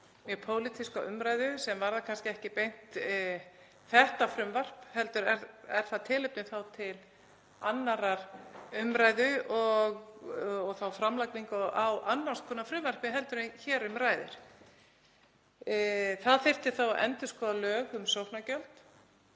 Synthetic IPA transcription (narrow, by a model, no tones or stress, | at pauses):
mjœpʰoːwlɪt̪ʰiskaʔʏmɾaːjðʏsɛmvaɾðakʰanscɪɛhcɪpejn̥t̪ | θɛht̪afɾʏmvar̥phɛlt̪ʏɾɛɾɛɾ̥θaðt̪ʰɪːlɪp̪nʏθawt̪ʰɪl | anːaɾaɾ̥ʏmɾaːjðʏɔɣɔɣθawfɾamlakniŋkɔʔawʔanːḁs̚kʰɔːnafɾʏmvar̥pɪɦɛlt̪ʏɾɪçɛːɾʏmɾaːjðɪ̰ɾ̥ | θaðfɪr̥t̪ɪ̥θawʔɛ̰nt̪ʏskɔːðalœːɣʏmsowhnacœlt̪